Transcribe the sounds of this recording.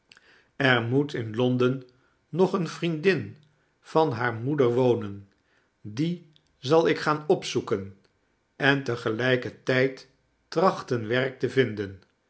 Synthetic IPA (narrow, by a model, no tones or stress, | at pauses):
ɛɹmutɪnlɔndənː | ɔχənfrindɪn | v̥ɑnɦaːɹmudəɹʋownən | di | zɑlˠɪkχaːnɔpsukən | ɛntəχəlɛjkətɛjt | rɑχtənʋɛɹk̚təvɪndən